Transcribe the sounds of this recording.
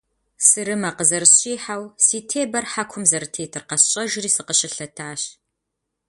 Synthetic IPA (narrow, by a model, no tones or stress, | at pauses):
sɨɾɨmɐqəzɐrɕʼiːħawsiːtʰeːbɐrħakʷʰʊmzɐɾɨtʰeːtʰɨrqɐsɕʼɐʒriːsɨqəɕɪɬɐtʰaːɕ